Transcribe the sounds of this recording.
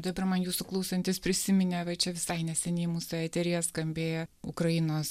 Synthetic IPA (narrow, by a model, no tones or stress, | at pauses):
d̪ɐbɐɾmɐnjuːsʊklˠɐʊsʲɐnʲt̪ʲɪspʲɾʲɪsʲɪmʲɪnʲeːʋɐɪt͡ʃʲɛʋʲɪsɐɪnʲɛsʲɛnʲɛɪmuːsʊɛt̪ʲɛɾʲeːɛskɐmʲbʲeːjɛʊkɾɐjɪnoːs